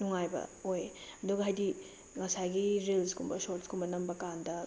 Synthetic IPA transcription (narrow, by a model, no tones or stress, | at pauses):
nuŋajbɐ̰ojɐduɡɐɦajdi | ŋɐsajɡiɾilskʰumbɐsotskumbɐnɐmbɐkandɐ